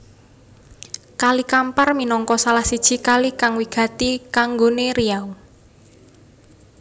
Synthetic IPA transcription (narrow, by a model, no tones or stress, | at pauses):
kalikamparminɔŋkɔsalahsid̥ʒ̥i̤kalikaŋwiɡ̥ä̤t̪ikaŋɡoneɾijau